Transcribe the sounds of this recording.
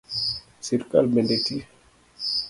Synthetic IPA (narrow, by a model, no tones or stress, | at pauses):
siɾka̰lbɛndeti